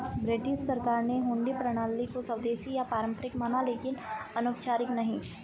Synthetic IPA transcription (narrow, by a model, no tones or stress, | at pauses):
bɾɪʈɪʃʈsɐɾkaːɾneɦʊ̃ːɳɖipɾɐɽ̃aːlːikosɐʋd̪eːʃijapaːɾə̃mpəɾɪkmanaleːkɪnɐnoːkt͡ʃaːɾɪknɐɦĩ